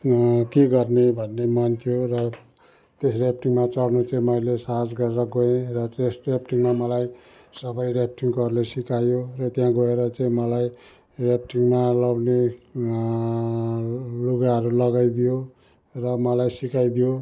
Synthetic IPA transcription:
keɡʌrnebʱʌnːemʌnt̪ʰijorʌ | t̪esrep̚ʰʈiŋmat͡sʌɽnot͡saĩmʌilesaɦad͡zɡʌɾeɾʌɡoẽrʌʈesʈrepʈiŋmamʌlaj | sʌbʌjrep̚ʰʈiŋkʌɾlesikajorʌt̪jãɡoeɾʌt͡saĩmʌlaj | rep̚ʰʈiŋmalʌwne | luɡaɦʌɾulʌɡajd̪ijo | rʌmʌlajsikajd̪ijo

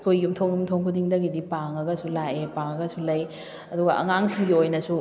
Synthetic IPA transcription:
kʰojːumtʰoŋjumtʰoŋkʰudiŋdɐɡidipaŋɐɡɐsulaʔepaŋɐɡɐsulɐj | ɐduɡɐʔɐ̰ŋaŋsʰiŋɡiojnɐsu

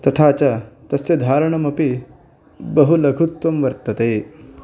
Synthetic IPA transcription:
t̪ɐt̪ʰat͡ɕat̪ɐsed̪ʱaːɾɳɐmɐpi | bɐɦulɐɡʱut̪ʋɐmʋɐɾt̪ɐt̪eː

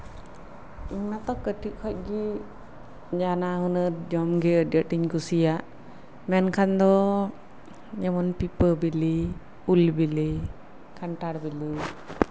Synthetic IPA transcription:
iɲnat̪ɔkəʈiʔ̚kʰɔc̚ɡi | d͡ʒanaɦunəɾd͡ʒɔmɡɛədəʈiɲkusijaʔ | mɛnkʰand̪ɔ | jɛmɔnpipəbili | ulbili | kʰaɳʈaɾbilɯ

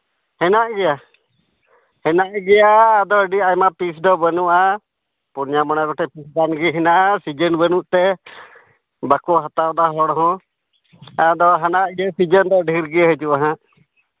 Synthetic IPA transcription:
hɛnaʔɡɛja | hɛnaʔɡɛjaːd̪ɔəɖiajmapisd̪ɔbənuʔa | puɾɲamanaɡɔʈɛpisbanɡɛɦɛnaʔasid͡ʒənbənuʔt̪ɛ | bakɔɦat̪awd̪aɦɔɽɔɦɔ̃ | ad̪ɔɦanaʔɡɛsid͡ʒənd̪ɔɖʱiɾɡɛɦət͡ʃuʔaɦã

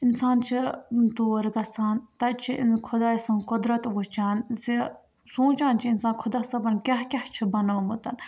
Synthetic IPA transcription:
insaːnt͡ʃʰit̪oːɾɡɐsaːnt̪ɐt͡ʃʰiʔḭnkʰʊd̪aːjsɐnkʊd̪ɾɐt̪ʋut͡ʃaːnzi | sũːt͡ʃaːnt͡ʃʰiinsaːnkʰʊd̪aːsɐbɐnkʲaɦkʲɐht͡ʃʰibɐnɐːmɐt̪ɐn

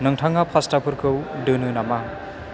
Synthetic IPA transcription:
nɯŋtʰaŋapʰastapʰuɾkʰɯwdɯnɯnama

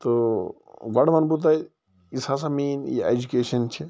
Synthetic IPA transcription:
t̪o | ɡɐɽmɐnbut̪̬aj | isas̬amiːnjḭḛd͡ʒukeːʃɐnt͡ʃʰi

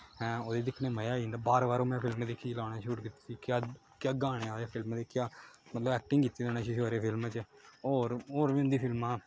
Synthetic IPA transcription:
ɦɛ̃ːoːd̪eːd̪ɪkʰneːməjaːind̪aːbaːɾʋaːɾõːmɛ̃ːpʰɪlmd̪eːkʰilaːɽaːʃuʈkɪt̪ːiːsiːkjaː | kjaːɡaːɽ̃eːaːeːpʰɪlmd̪eːkjaːmət̪ləbɛːk̚ʈɪ̃ŋɡkiːt̪ːiːd̪oːnaːt͡ʃiʃoːɾeːpʰɪlmt͡ʃoːɾoːɾʋĩːʊnd̪iːpʰɪlmãː

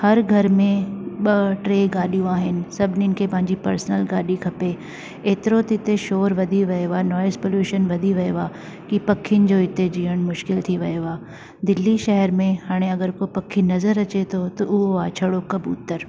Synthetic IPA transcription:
hɐɾɡʱɐɾmẽɓɐʈɾeːɡaːɗijũaːɦɪnɪ̆sɐbʱɪninɪ̆kʰepɐ̃ɦɪ̃ɲd͡ʑipɐɾsnəlɡaːɗikʰɐpe | eːt̪ɪɾot̪ɪt̪eʃoːɾʋɐd̪ʱiʋɐeʋaːnɔːɪspoljuːʃənʋɐd̪ʱiʋɐjʋaː | kipɐkʰːiənɪ̆d͡ʑoːɪt̪ed͡ʑiːəɽ̃mʊʃkɪlt̪ʰiʋɐjoʋaː | d̪ɪlːiʃɐɦəɾmẽhaːɽ̃eɐɡəɾkopɐkʰːinɐzəɾɐt͡ɕet̪ʰot̪ɐʔʊɦoaːt͡ɕʰɐɽokɐbṵːt̪əɾ

